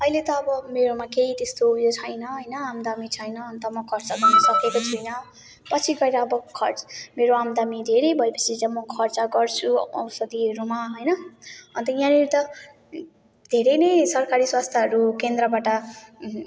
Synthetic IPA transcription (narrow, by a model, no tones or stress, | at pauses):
ʌilet̪ʌːbʌmeɾomakeit̪est̪ojot͡sʰʌjnʌɦʌjnʌamd̪amit͡sʰʌjnʌːnt̪ʌmʌkʰʌrt͡sʌd̪ʌnʌsʌkekot͡sʰujnʌ | pʌt͡sʰiɡʌeɾʌːbʌkʰʌrmeɾoamd̪amid̪ʱeɾejbʱʌepʌt͡sʰid͡zamʌkʰʌrt͡sʌɡʌrt͡sʰuʌ̰wsʌd̪iɦʌɾumaɦʌjnʌʌnt̪ʌjãneɾit̪ʌ | d̪̥ʱeɾejnʌjsʌrkaɾiswast̪ʰjaɦʌɾukend̪rʌbaʈʌ